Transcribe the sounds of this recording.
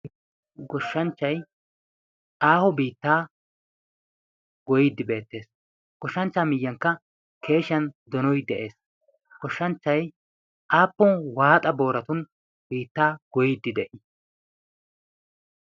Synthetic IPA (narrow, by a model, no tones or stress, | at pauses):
ɡɔʃːɐnt͡ʃːɐj | ʔaːhɔbiːt̪ːaː | ɡ̥ɔjid̪ːɪbe̞ːt̪ːe̞ːs | ɡ̥ɔʃːɐnt͡ʃːaːmɪjːɐŋkːɐ | kʰe̞ːʃɐnd̪ɔnɔjd̪ɛʔe̞ːs | ɡ̥ɔʃːɐnt͡ʃːɐj | ʔaːpːɔnwaːt̪ʼɐbo̞ːɾɐt̪ʊn | biːt̪ːaːɡ̥ɔjid̪ːɪd̪ɛʔɪ